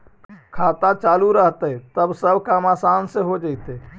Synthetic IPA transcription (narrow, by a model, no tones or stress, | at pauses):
kʰat̪at͡ʃaːluɾəɦt̪ət̪əbsəbʱkamaːsaːnseɦod͡ʒaɪt̪e